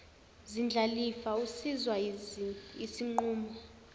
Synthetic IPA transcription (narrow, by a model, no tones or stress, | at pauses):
zind͡ɮʱalifausizwa | isiŋ͡ǃuːmɔ